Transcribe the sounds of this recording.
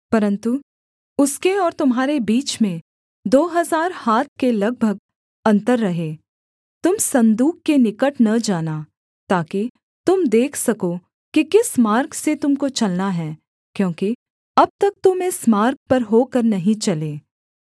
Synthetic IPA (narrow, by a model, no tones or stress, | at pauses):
pɐɾə̃nt̪u | ʊskeɔːɾt̪ʊmɦaːɾebiːt͡ʃmẽ | d̪oːɦɐzaːɾhaːt̪̚ʰkelɐɡ̚bʱəɡ̚ | ɐ̃nt̪əɾːɐɦeː | t̪ʊmsɐ̃nd̪uːkːenɪkəʈnɐd͡ʒaːna | t̪aːki | t̪ʊmd̪eːkʰsɐko | kikɪsmaːɾkset̪ʊmkot͡ʃɐlnaɦɛː | kjõːki | ɐb̚t̪ɐk̚t̪ʊmẽsmaːɾk̚pɐɾɦoːkɐɾnɐɦĩt͡ʃɐleː